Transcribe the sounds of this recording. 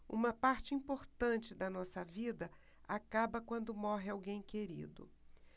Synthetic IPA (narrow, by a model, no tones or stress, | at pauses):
ṵ̃mɐpaɾt͡ʃɪĩpoɾt̪ɐ̃nt͡ʃɪd̪ɐnɔsɐvid̪ɐ | akabɐkwɐ̃nd̪ʊmɔɦɪawɡẽj̃keɾḭd̪ʊ̰